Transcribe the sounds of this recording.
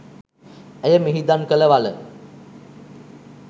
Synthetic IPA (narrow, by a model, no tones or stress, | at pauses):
æjəmiɦid̪ankələʋalə